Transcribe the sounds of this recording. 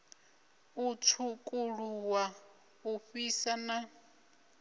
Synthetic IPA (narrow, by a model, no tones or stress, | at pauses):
ut͡sʰukʼuɺuwa | uɸisana